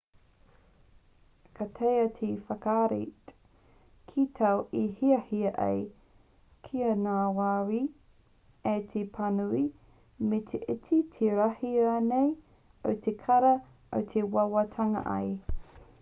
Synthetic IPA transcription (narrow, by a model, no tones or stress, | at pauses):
kʰatʰejɐtʰifɐkaːɾḭt | kʰitʰɐwihiɐhiɐʔḛj | kʰiɐnaːwaːwi | etʰepʰɐnui | met̪ʰeʔit͡sitʰeɾahiɐnej | o̰wt̪ʰekʰɐɾɐ | o̰wt̪ʰewɐwɐtʰɐŋɐ̰ʔɐ̰j